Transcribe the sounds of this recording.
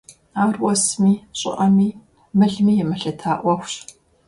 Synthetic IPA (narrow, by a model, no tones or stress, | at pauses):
aːrwɔsmiːɕʼɪ̰ʔɐmiː | mɨɮmiːjɛmɨɬɐtʰaːʔʷɔxʷɕ